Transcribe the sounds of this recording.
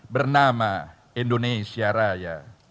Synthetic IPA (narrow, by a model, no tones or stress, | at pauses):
bərnama | indonesiaɾaja